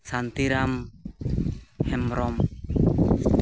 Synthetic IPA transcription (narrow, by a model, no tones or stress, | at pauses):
sant̪iɾam | hɛmɾɔm